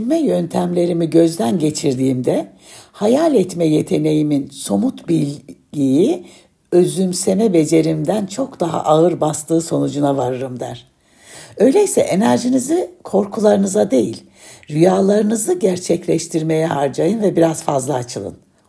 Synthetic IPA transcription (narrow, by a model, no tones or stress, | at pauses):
mɛjønt̪ʰæmlʲe̞ɾimiɟø̞zd̪ænɟe̞t͡ʃʰiɾd̪iːmd̪ɛ | hajalʲɛt̪mɛje̞t̪ʰe̞ne̞jiminso̞mut̪bilʲɟiji | ø̞zymse̞mɛbe̞d͡ʒe̞ɾimd̪ænt͡ʃʰo̞kd̪̥aɦa̰ʔaɯɾbast̪ʰɯːso̞nud͡ʒunavaɾɯɾɯmd̪æ̰ɾ̥ | ø̞jlʲe̞jisɛʔenæɾʒinizikʰo̞ɾkʰulˠaɾɯnɯzad̪e̞jḭlʲ | ɾyjaːlˠaɾɯnɯzɯɟæɾt͡ʃʰɛclʲɛʃt̪ʰiɾme̞jɛhaɾd͡ʒajɯnvɛbiɾazfazlˠaːt͡ʃʰɯlˠɯ̰n